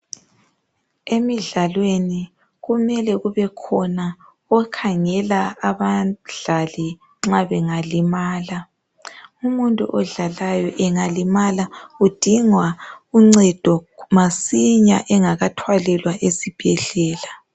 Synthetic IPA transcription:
emiɮalweni | ɣumɛlɛɣuβɛkʰɔna | ɔkʰaŋɛlaːβaɮ̥ali | ŋ͡ǁaβɛŋalimaːla | umuntʼṵʔɔɮalajɔʔɛŋalimalaud̥ʱiŋwauŋ͡ǀɛd̥ʱɔmasiɲa̰ʔɛŋaɣatʰwalɛlwaʔesib̥ʱɛɮɛːla

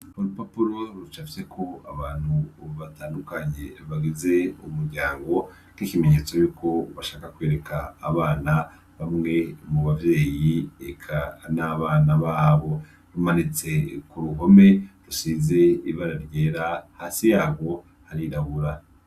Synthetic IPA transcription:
huɾupapuɾo̞ɾut͡ʃafise̞kʰo̞aβaːn̥huβataːndukaɲe̞βaɡize̞umuɾɟaːŋɡo̞ | nikime̞ɲeːt͡so̞juːko̞βaʃaːkakwe̞ːɾe̞kʰaːβaːna | βamŋe̞muβavje̞ːjiekʰanaβaːnaβaːβo̞ | ɾumanit͡se̞kuɾuɦo̞me̞ɾusiːze̞iβaɾaɾjeːɾahaːsijaːβo̞ | haɾiɾaβuɾa

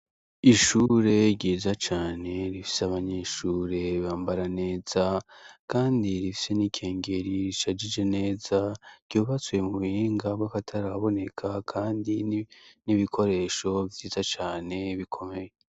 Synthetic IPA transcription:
iʃuːɾe̞ɾɟiːzat͡ʃaːne̞ɾifi̥saβaɲe̞ːʃuːɾe̞βaːmbaɾane̞ːz̥akaːndiɾifi̥se̞nikʰe̞ːŋɡe̞ɾiɾiʃad͡ʒid͡ʒene̞ːzaɾ̥ɟuːβat͡swe̞muβhiːŋɡabɡakatʰaɾaβo̞ne̞kʰakʰaːndiniβikʰo̞ɾe̞ːʃo̞vjiːzat͡ʃaːne̞βikʰo̞me̞je

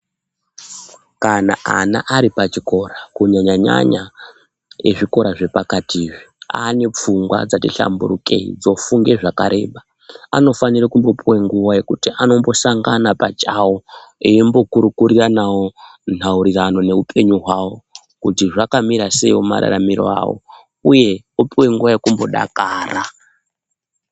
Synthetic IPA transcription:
kana̰ʔa̰na̰ʔaɾipat͡ʃiko̞rakuɲaɲaɲa̰ɲa | jeʐiko̞ɾaʐe̞pakatʰiːʐia̰ne̞p͡fuŋɡwa̰d͡zatiɬa̰mbuɾuke̞̰ḭd͡zo̞fuŋɡe̞ʐakaɾe̞̰ːɓa | a̰no̞fanirakumbo̞pʰuweŋɡuʋaje̞kutiʔano̞mbo̞saŋɡanapat͡ʃawoiimbo̞kuɾukuɾiranawon̥̤auɾirano̞ne̞upʰe̞ɲuɦwawo̞ | kutiʐakamiɾase̞ioma̰ɾa̰ramiɾo̰a̰wo̰ | uje̞ | opiwe̞ŋɡuʋajekumbo̞ɗa̰kaːra

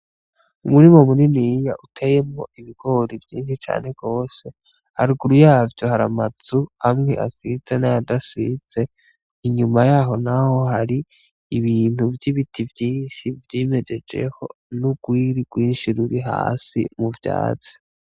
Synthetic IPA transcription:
umuɾimo̞muninijaʔutʰeje̞mŋo̞̰ʔiβiɡ̥o̞ːɾivjiːnʃit͡ʃa̰ːne̞ɡ̥o̞ːse̞ | ha̰ɾiɡuɾujaːvɟohaɾamat͡suamŋe̞̰ʔa̰size̞najadasiz̥e̞ | iɲumajaːɦo̞naho̞ɦaɾiː | βiːn̥huvjiβitʰivjiːnʃivjime̞d͡ʒe̞d͡ʒe̞̰ho̞ | nuɡ̥wiːɾiɡ̥wiːnʃiɾuɾiɦa̰ːsḭmuvja̰ːt͡si̥

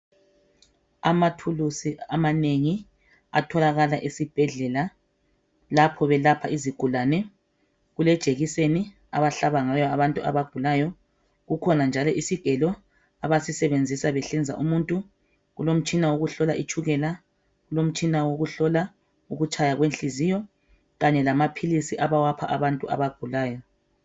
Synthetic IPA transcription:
amatʰulusiamaneŋi | a̰tʰɔlaɣalaʔisib̥ʱɛɮɛla | lapʰɔβɛlapʰaʔiziɡ̥ʱulanɛ | ɣulɛd̥ʒ̥ʼʱeɣiseni | a̰βaɬaβaŋajɔaβantʼua̰βaɡ̥ʱulaːjɔ | ɣukʰɔnand͡ʒʱalɔʔisiɡ̥ʱɛlɔ | aβasisɛβend͡zʱisaβɛɬɛnd͡zʱa̰ʔumuntʼu | ɣulom̩t͡ʃʼinawoɣuɬɔlaʔit͡ʃʰʼuɣɛla | ɣulom̩t͡ʃʼinawoɣuɬɔla | uɣut͡ʃʰʼajaɣwenɬizijɔ | ɣaɲɛlamapʰilisiʔaβawapʰaʔaβantʼuʔa̰βaɡ̥ʱulaːjɔ

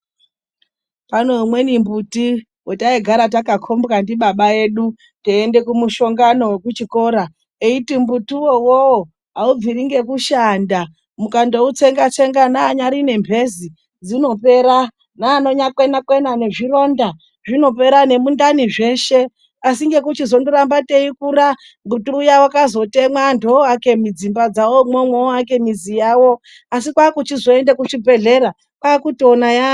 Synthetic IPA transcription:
panomwe̞nimbuti | wotaiɡʱaɾat̬akakʰo̞mbkandiɓaɓae̞ɗu | teende̞kumuʃo̞ŋɡano̞we̞kut͡ʃiko̞ɾa | eitimbutiwowowo | ɦaub͡viɾiŋɡe̞kuʃanda | mukando̞ut͡se̞ŋɡat͡ʃe̞ŋɡanaːɲaɾine̞mbʱe̞zi | d͡zino̞pe̞ɾa | naːno̞ɲakwe̞nakwe̞nane̞ʐiro̞nda | ʐino̞pe̞ɾane̞mundaniʐe̞ːʃe | asiŋɡe̞kut͡ʃizo̞ndoɾambateikuɾa | ŋɡutuujawakazo̞te̞mwandʰoake̞mid͡zimbad͡zawomomwoak̬e̞mizijawo̞ | asikwaːkut͡ʃizo̞endekuʂibʱe̞ɮe̞ɾa | kwaːkutonaja

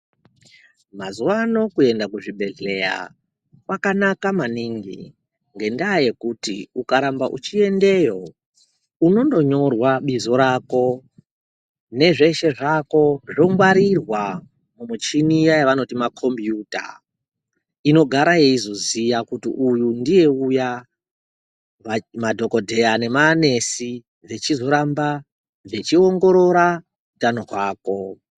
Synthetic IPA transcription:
mazuwano̞kue̞ndakuʐibʱe̞ɮe̞ja̰ | kwakanakamaniŋɡḭ | ŋɡe̞ndaːje̞kutḭukaɾambaʔṵt͡ʃie̞nde̞jo | uno̞ndo̞ɲo̞rwaɓizo̞ɾako̞ | ne̞ʐe̞ʃe̞ʐako̞ʐomwaɾirwa | mumut͡ʃinijajaʋano̞timakʰo̞mbjuːta̰ | ino̞ɡʱaɾajeizozijakutḭʔujundije̞uja | amadʱo̞kodʱe̞ane̞maːne̞si | d͡ze̞t͡ʃizo̞ɾamba | d͡ze̞t͡ʃioŋɡo̞ɾo̞ɾa | utanoɦwaːko̞

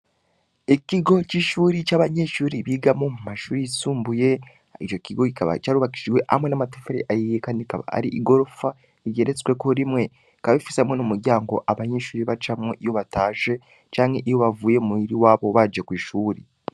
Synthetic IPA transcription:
eciɡo̞ciːʃuːɾicaβaɲe̞ʃuːɾiβiɡamo̞mumaʃuːɾiisuːmbuje̞ | it͡ʃo̞ciɡo̞cikaβa̰caːɾuβaki̥ʃiwe̞ʔa̰mwe̞namatefeɾḭʔajijekaːndika̰βa̰a̰ɾiʔiɡo̞ɾofa | iɟeɾet͡swe̞koɾimwe̞ | kaifisamwonomuɾjaːŋɡo̞̰ʔaβaɲe̞ːʃuːɾiβat͡ʃamŋoʔijo̞βataːʒe̞ | t͡ʃaːɲe̞ʔijo̞βavuːje̞muiɾiwaːβo̞βad͡ʒekwiːʃuːɾi

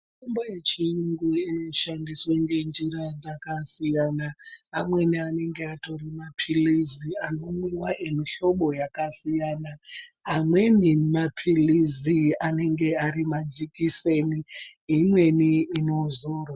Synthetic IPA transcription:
imboje̞t͡ʃijuŋɡuino̞ʃandiswaŋɡe̞nd͡ʒirad͡zakasijanaːmwe̞niane̞ŋɡe̞ato̞rimapʰiliziano̞mwiwaʔemiɬo̞ɓo̞jakasijanaː | mwe̞nimapʰiliziane̞ŋɡe̞aɾimad͡ʒikiseniimwe̞niːno̞zoːro

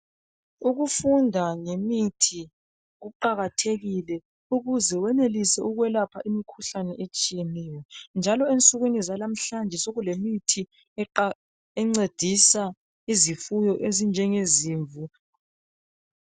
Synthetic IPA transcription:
uɣufundʱaŋemitʰi | ɣuǃaɣatʰeɣilɛ | uɣuzɛwɛnelisɛuɣwɛlapʰaʔimikʰuɬanɛʔet͡ʃʼijeniwɔnd͡ʒʱalɔent͡sʼuɣwinizalam̩ɬand͡ʒʱɛsoɣulemitʰi | ɛŋ͡ǀed̥ʱisa | izifujɔʔezind͡ʒʱɛŋeziːɱvu

